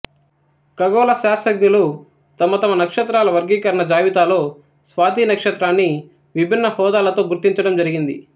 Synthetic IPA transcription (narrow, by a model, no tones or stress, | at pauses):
kɐɡɔːlɐʃaːɾsɐɡnulu | t̪ɐmɐt̪ɐmɐnɐkʂɐt̪ɾaːlɐʋɐɾɡiːkɐɾɐɳɐd͡ʒaːʋit̪aːloː | sʋaːd̪iːnɐkʂɐt̪ɾaːnːi | ʋibʱinːɐhɔːd̪aːlɐt̪o̞ːɡuɾt̪iɲt͡ʃɐɽɐmd͡ʒɐɾiɡind̪ḭ